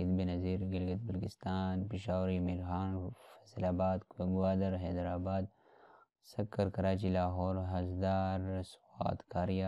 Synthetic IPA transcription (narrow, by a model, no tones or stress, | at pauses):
ɪd̪binɐziːɾɡɪlɡɐt̪̚bɐlkɪst̪aːnpɪʃaːwɾimiɾxaːnfɐ̥zlaːbaːd̪kɐɡwaːd̪ɐɾɦɛːd̪ɾaːbaːd̪̚ | sɐkːɐɾkɐɾaːt͡ʃilaːɦɔːɾɦɐzd̪aːɾswa̰ːt̪kaːɾija